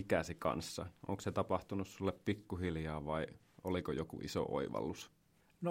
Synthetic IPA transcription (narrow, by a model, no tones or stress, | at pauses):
ikæsikɑ̰nsːɑ̰ʔo̰ŋkset̪ɑpɑht̪unussulːeppikːuɦiljɑːʋɑi | ʔolikojokṵʔḭso̰ʔo̰iʋɑ̰lːus | no